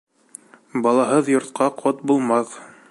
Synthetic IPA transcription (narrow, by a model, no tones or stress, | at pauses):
bɑlˠɑɦɤðjŏɾt̪qɑqʰot̪̚bulˠmɑθ